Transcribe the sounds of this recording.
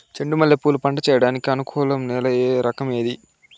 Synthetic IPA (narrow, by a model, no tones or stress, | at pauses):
t͡ʃeɳɖumɐlːepːuːlupɐɳɖɐt͡ʃɛːjɐɽaːnikiɐnukʰɔːlɐmnɛːlɐjeːɾʔɐkɐme̞ːd̪i